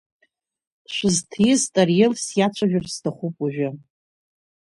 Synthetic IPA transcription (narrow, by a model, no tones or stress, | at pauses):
ʃʷɨztʰiztʼarjelsjat͡ʃʷʰaʒᶣʊrstʰaχʷupʼuʒᶣɪ